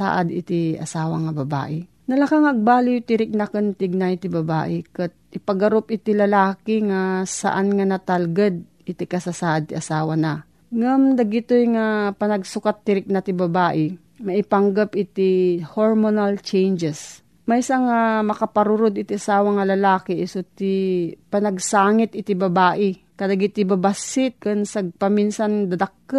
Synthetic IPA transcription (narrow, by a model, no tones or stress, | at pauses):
a̰ːʔɐd̪ɪt̪iʔɐ̰saːwɐŋɐbɐba̰ːʔɪ | nɐlakaŋɐɡ̚baːlɪjʊt̪ɪɾɪk̚nɐkɐnt̪ɪɡ̚najt̪ɪbɐba̰ːʔɪkɐt̪̚ʔɪpɐɡɐɾopɪt̪ilɐlaːkɪŋasɐ̰ʔanŋanɐt̪alɡad̪̚ | ʔɪt̪ikɐsasaːʔad̪̚t̪iʔɐsaːwɐnɐ | ŋamd̪ɐɡɪt̪ojŋapɐnɐɡsʊkat̪ːɪɾɪk̚nɐt̪ɪbɐbaːʔɪ | mɐʔɪpaŋɡapʔɪt̪ihoɹmonalt͡ʃɛjnd͡ʒɛs | mɐjsaŋamɐkɐpɐɾuɾod̪ɪt̪ɪʔasaːwɐŋɐlɐlaːkɪʔsot̪ɪpɐnɐɡ̚saːŋɪt̪̚ɪt̪ɪbɐbaːʔɪ | kɐd̪ɐɡit̪ɪbɐbasɪt̪̚kɐnsɐɡ̚pɐminsand̪ɐd̪ɐkːa